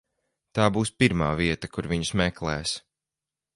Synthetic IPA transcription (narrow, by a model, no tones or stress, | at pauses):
t̪aːbuːspiɾmaːviɛt̪akuɾviɲusmɛklˠɛːs